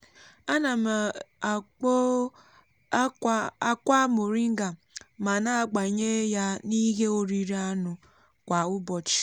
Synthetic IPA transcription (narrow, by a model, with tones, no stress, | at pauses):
a˦na˨m˨˦ | a˦kʷa˦mʊ˨ɾi˦ŋ̩˦ɡa˨ma˨na˦a˦˨ɡ͡ba˨ɲe˦ja˦ni˦ɦe˦o˦ɾi˦ɾi˦a˦nʊ˨ | kʷa˨ʊ˦bɔ˨t͡ʃi̥˦